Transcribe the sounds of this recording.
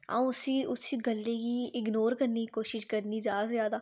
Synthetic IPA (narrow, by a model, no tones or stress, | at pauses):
ã̰ːũʊsiʊsiɡəlːekiɪɡnoːɾkəɾnikikoːʃɪʃkəɾnizjaːzjaːd̪aː